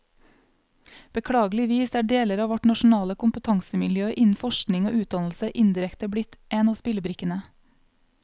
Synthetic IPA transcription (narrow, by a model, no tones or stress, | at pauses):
b̥əkʰɽɑːɡlɪʋiːsæːɖeːləɾɑːʋɔʈnɑʃʊn̩ɑːləkʊmpət̪ʰɑŋsəmɪljøːʔɪnn̩fɔʃknɪŋo̰ːʔʉːt̪̚d̪ɑnl̩səʔɪnd̪ɪɾɛkt̪əbɽɪt̪ʔeːnɑːspɪləbɾɪkənə